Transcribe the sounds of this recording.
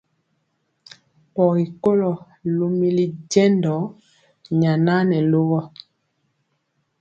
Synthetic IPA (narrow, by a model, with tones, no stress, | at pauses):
pɔ˨ɣi˨ko˦lɔ˨ | lo˨mi˦li˨ɟɛ˦ndɔ˨˦ | ɲa˨na˦nɛ˨lo˦ɣɔ˦